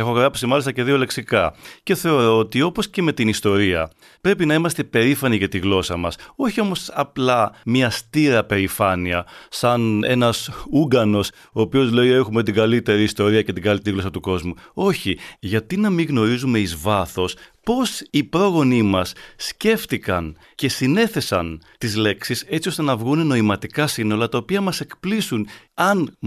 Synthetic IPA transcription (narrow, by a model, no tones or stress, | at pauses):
exo̞ɣɾɐpsimɐlist̪ɐce̞ðio̞le̞ksikɐce̞θe̞o̞ɾo̞ot̪io̞po̞sce̞me̞t̪inist̪o̞ɾiɐ | pɾe̞pinɐimɐst̪e̞pe̞ɾifɐniʝɐt̪iɣlo̞sɐmɐso̞çio̞mo̞sɐplɐmɲɐst̪iɾɐpe̞ɾifɐniɐsɐne̞̰nɐsuɡɐno̞s | o̞ːpio̞zle̞ie̞xume̞t̪̬iɡɐlit̪e̞ɾiːst̪o̞ɾiɐce̞t̪iɡɐlit̪eɾiɣlo̞sɐt̪uko̞zmuo̞çiʝɐt̪inɐmiɣno̞ɾizume̞izvɐθo̞spo̞sipɾo̞ɣo̞nimɐsːce̞ft̪ikɐn | ce̞sine̞θe̞sɐnt̪izle̞ksise̞t͡sio̞st̪e̞nɐvɣunno̞imɐt̪ikɐsino̞lɐt̪ɐopiɐmɐse̞kplisunɐn